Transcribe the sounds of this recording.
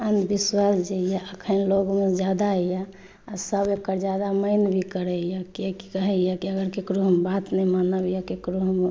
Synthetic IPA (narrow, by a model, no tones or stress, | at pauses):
ənd̪ʱbiswasd͡ʒəjaʔəkʰənloɡmed͡ʒad̪aja | asəbekəɾd͡ʒad̪aməɪnbʱikəɾɛjakeki̥kəɦɛjakiəɡəɾkekɾuɦəmbat̪nɛmanəbjakekɾuɦəm